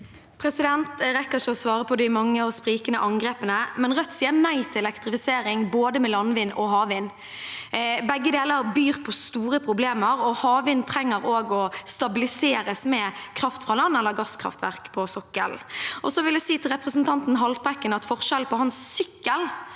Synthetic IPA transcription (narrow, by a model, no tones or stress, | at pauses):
pʰɾɛsɪd̪ɛnt̪ɾɛkːəɾɪçəɔsʋɑːʁəpʰɔd̪ɪmɑŋːəɔspɾiːkənəʔɑŋɡɾeːpənəmɛnʁœt̪ːsiːənæɪt̪ʰɪlɛlɛkt̪ɾɪfɪseːɾɪŋboːd̪əmɛlɑnʋɪnɔɦɑːʋɪn | bɛɡːəd̪eːləɾbyːʁpʰɔst̪uːɾəpʰɾʊbleːməɾɔhɑːʋɪnt̪ʰɾɛŋːəɾoːɡɔst̪ɑbɪlɪseːɾəsmɛkʰɾɑft̪fʁɑːlɑnːɛlːəʁɡɑskʰʁɑ̰ft̪ʋæ̰ʁkpʰɔsɔkːə̰lʔɔsɔʋɪljæsiːt̪ʰɪlʁɛpʁəsnt̪ʰɑnt̪n̩ɦɑlt̪̚bʁɛkːənɑt̪fɔʁʃɛlpʰɔhɑnsːʏkːəl